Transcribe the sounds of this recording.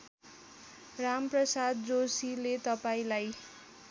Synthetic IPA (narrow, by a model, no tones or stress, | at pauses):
ramprʌsad̪̚d͡zosilet̪ʌpaĩlaj